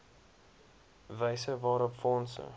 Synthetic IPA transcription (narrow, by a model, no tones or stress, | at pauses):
vəjsəvɑːɾɔpfɔnsə̰